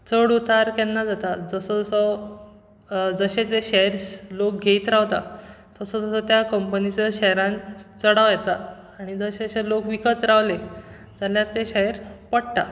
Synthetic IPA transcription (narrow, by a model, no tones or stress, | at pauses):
t͡səɽut̪aɾkɛnːad͡zat̪ad͡zəsɔd͡zsɔ | d͡zəɕet͡seɕɛɾslok̚ɡʱeit̪ɾaʋt̪a | t̪əsɔd͡zəsɔt̪jakəmpənit͡seɕɛjɾãnt͡səɽaʋjɛt̪aː | ɽ̃id͡zəɕeəɕelokʋikət̪ɾaʋle | d͡zaljaɾt̪eɕɛɦɾpəɽt̪a